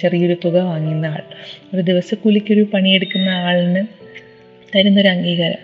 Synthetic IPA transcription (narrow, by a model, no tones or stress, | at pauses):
t͡ɕerijeɾut̪ːuɣɐʋaːŋːunːaːɭoɾud̪iʋɐsɐkːulikʲːo̞ɾupɐɳije̞ɽukːunːɐaːɭnɨ | t̪ɐɾunːo̞ɾuɐŋɡiːɣɐɾɐ̰m